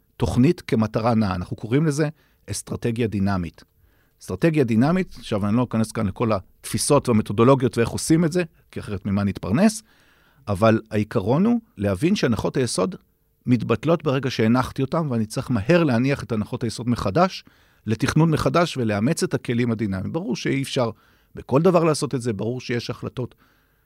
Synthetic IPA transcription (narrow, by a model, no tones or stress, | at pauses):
to̞χnitke̞mataʁanaːnaχnukʰo̞ʁimle̞ze̞ | est̪ʁate̞ɡjadinamit | stʁate̞ɡjadinamitʃavanilo̞nikane̞skanle̞ko̞latfiso̞tvame̞to̞do̞lo̞ɡjo̞tvee̞χosimetze̞ | kiaχe̞ʁetmimanit̪paʁne̞s | avalaikaʁo̞nule̞avinʃeanaχo̞thajeso̞d | mitbatlo̞tbeʁe̞ɡaʃe̞ːnaχt̪io̞tamveanit͡siχmahe̞ʁleaniaχetanaχo̞thajeso̞dme̞χadaʃ | le̞tiχnunmeχadaʃveleame̞t͡se̞thake̞limhad̪inamimbaʁuʁʃeiːfʃaʁ | beko̞ldavaʁlaːso̞t̪e̞tzebaʁuʁʃeje̞ʃaχlato̞t